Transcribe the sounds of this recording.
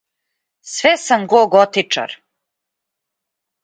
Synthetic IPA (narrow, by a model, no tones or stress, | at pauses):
sʋɛsamɡoɡot̪it͡ʂa̰ɾ